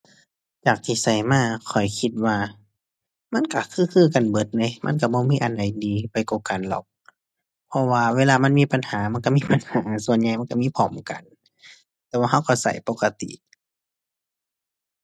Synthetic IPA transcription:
t͡ɕaː˨˩k̚t̪ʰiː˧˨sa˨˩jmaː˧˨kʰɔ˨˩jkʰi˧t̪̚waː˧ | ma˧˥˨nka˧˩kʰɯː˧˥˨kʰɯː˧˨ka˨nbɤ˧˦t̪̚na˧˦jma̰˧˥˨nka˧˩bɔː˧˦miː˧˥˨ʔa˨nda˨˦jdiː˨pa˨jkɔː˧˩ka˨nlɔ̰˨˩k̚ | pʰɔ˧waː˧weː˧˨laː˧ma˧˥˨nmiː˧˥˨pa˨nhaː˨˦ma˧˥˨nka˧miː˧˥˨pa˨nhaː˨˦su˧ənɲa˧jma˧˥˨ka˧˨miː˧˥˨pʰɔː˨˧˩mka̰˨n | t̪ɛː˧waː˧ɦa˧˥˨wkɔ˧˩sa̰˧˩jpo˧ka˧t̪ḭ˧˨

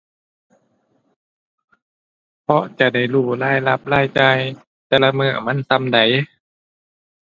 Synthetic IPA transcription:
pʰɔ˧t͡ɕa˧˩da˧˩jluː˧˩laː˧˥˩jla˧˥p̚laː˧˥˩jt͡ɕa˧j | t̪ɛː˧la˧mɯː˧˩˨ma˧˥˨nsa˧˥˨mda˨˩j

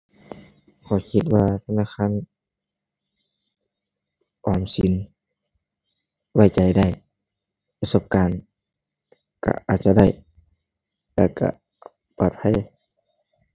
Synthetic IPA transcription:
kʰɔː˨˧˩kʰi˧t̪̚waː˧t̪ʰa˧naː˧˨xʰaː˧˥˨n | ʔɔː˨˩msi˨˦n | wa˧˩jt͡ɕa˨˩jda˧˥˩j | pa˧so˧˨p̚kaː˨n | ka̰˧˩ʔaː˨˩t̪̚t͡ɕa˧da˥˩j | lɛː˧˩˨ka̰˧˩ | paː˨˩t̪̚pʰa˧˥˨j

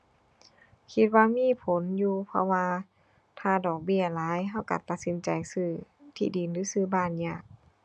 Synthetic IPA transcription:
kʰi˧t̪̚waː˧miː˧˥˨pʰo˨˦njuː˧pʰɔ̰˧waː˧ | t̪ʰaː˧˩dɔː˨˩k̚bi˧˩ɐlaː˨˦jɦa˧˩wka̰˧˩t̪a˨˩t̪̚si˨˦nt͡ɕa˨jsɯː˧˩t̪ʰḭː˧˩diː˨˩nlɯː˨˦sɯː˧˩baː˧˩njaː˧˩k̚

